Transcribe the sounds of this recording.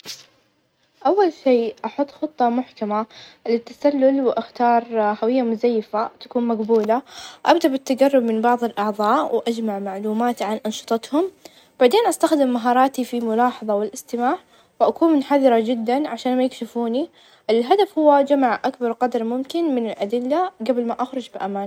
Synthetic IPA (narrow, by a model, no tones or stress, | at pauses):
ʔawːalʃiːʔɑħʊt̪ˤːxɨt̪ˤːɑmʊħkamalɪt̪ːasalːʊlwɪʔaxt̪ɑːɾˤhawɪjːamʊzajːfat̪ḁkuːnmaqbuːlaʔabd̪aʔbɪt̪ːaɡarˤːʊbmɪnbɑʕðˤɪlʔɑʕðˤɑːʔwɪʔad͡ʒmaʕmaʕluːmaːt̪ʕanʔɑnʃɨ̥t̪ˤɑt̪hʊm | b̥aʕd̪eːnʔast̪axd̪ɪmːaɦɑːɾˤɑːt̪ifimʊlɑːħɑðˤɑwɪlʔɪst̪ɪmaːʕ | wɪʔakuːnmʊnħaðˤɑɾˤɑd͡ʒɪd̪ːanʕaʃaːnmajɪkʃɪfuːni | ʔɪlɦad̪afhʊwːad͡ʒamaʕʔakbɑɾˤqɑd̪ɑɾˤmʊmkɪnmɪnɪlʔad̪ɪlːaɡablmaʔaxɾˤʊd͡ʒbɪʔamaːn